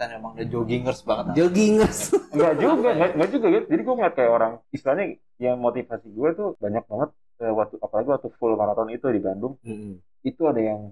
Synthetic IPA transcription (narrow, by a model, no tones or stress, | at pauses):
t̪anmemaŋdad͡ʒoɡiŋərsbaŋət̪̚d͡ʒoɡiŋərsŋɡaʔd͡ʒuɡaŋɡaŋɡaʔd͡ʒuɡaɡut̪̚d͡ʒadiɡuaŋat̪̚kajaoɾaŋist̪laɲa | jaŋmot̪ifasiɡuɛit̪ubaɲak̚baŋət̪̚ | əwat̪uapalaɡiwat̪ufulmaɾat̪ɔnit̪udibandʊŋ̩m̩ | it̪uadajaŋ